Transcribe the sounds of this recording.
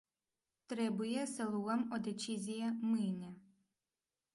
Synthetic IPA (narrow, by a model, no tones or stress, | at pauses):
t̪ɾɛbʊjɛsɛlˠuɣɐmɔd̪ɛt͡ʃʲizʲijɐmɪnʲɐ